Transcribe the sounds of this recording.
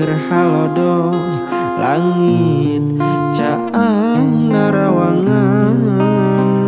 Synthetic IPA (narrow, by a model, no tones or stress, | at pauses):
ərhalɔdɔ | la̰ŋit̪̚ | t͡ʃa | aŋːaɾawaŋaŋ